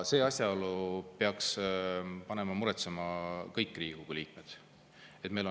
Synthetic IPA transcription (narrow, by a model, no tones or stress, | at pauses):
se̞ːɑsʲjɑolupeɑks | pɑne̞mɑmuɾet̪semɑkɤjkːˑriːekuɡ̥uliːk̚ˑmed̪̥ | e̞t̪me̞jlo